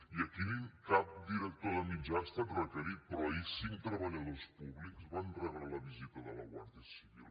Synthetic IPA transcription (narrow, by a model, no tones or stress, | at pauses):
iəkiiŋkap̚d̪iɾək̚t̪oðəmid͡ʒanst̪əbrəkəɾipɾɔisiŋt̪ɾəβəʎəðospuβlikzβand̪rɛβɾaləβizit̪əðələ̰ɣwa̰ɾðjəsiβḭlˠ